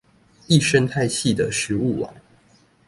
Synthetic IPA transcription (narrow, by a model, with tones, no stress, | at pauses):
i˥˨ʂə˥nt̪ʰa˥˧ɪɕʰi˥˨d̪ə˩ʂɻ̩˨˧˥u˥˩wɑ̰˨˦ŋ